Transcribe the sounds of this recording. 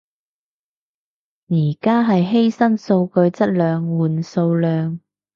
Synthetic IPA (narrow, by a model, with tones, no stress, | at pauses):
jiː˨˩kaː˥ɦɐ˨jɦe˥jsɐ˥nso˧wkɵ˧ɥt͡sɐ˥t̚lœː˨˧ŋwuː˨˩nso˧wlœː˨˧ŋ